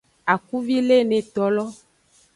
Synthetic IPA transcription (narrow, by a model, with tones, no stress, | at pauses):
a˨ku˦vi˦le˦nẽ˨t̪ɔ˨lɔ˦